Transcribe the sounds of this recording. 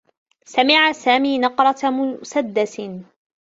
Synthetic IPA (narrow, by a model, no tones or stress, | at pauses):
samɪʕasaːmiːnɑqɾˤɑmʊsad̪ːas